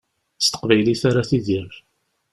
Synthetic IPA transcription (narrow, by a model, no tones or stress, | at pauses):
st̪ə̥qvæjliθaɾaθiðiɾf